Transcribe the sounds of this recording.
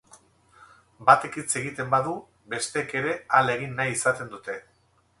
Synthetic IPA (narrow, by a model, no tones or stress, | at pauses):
bat̪e̞kit͡se̞ɣit̪e̞mbaðu | be̞st̪eːke̞ɾe̞ale̞ɣinːajisat̪e̞nd̪ut̪e̞